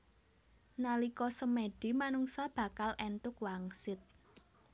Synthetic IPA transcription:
nalikɔsəmeɖ̥i̤manuŋsab̥ä̤kalʔɛnt̪ʊkwaŋsɪt̪̚

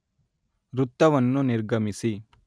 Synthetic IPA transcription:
ɾut̪ːɐʋɐnːuniɾɡɐmisi

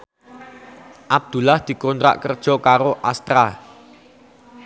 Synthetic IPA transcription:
ʔab̚d̪̥ṳlahd̪̥i̤kont̪ɾa̰ʔkərd̥ʒ̥ɔ̤kaɾoʔast̪ɾa

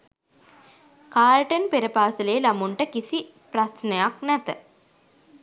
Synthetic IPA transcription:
kaːlʈənpeɾəpaːsəlejːlamuɳʈəkisi | pɾasnəjaknæt̪ə

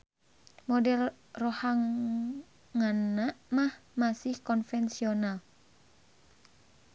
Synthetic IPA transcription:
mɔdɛl | rohaŋ | ŋanːaʔmahmasihkɔnfɛnsional

